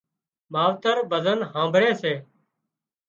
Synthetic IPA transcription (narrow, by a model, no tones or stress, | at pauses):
maːʋt̪əɾbəzənɦãːmbʱɾeːseː